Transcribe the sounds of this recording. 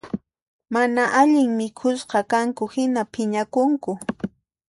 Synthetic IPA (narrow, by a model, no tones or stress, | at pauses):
manaʔaʎɪŋmɪkʰʊsqɑkaŋkʊhɪnapʰɪɲakʊŋkʊ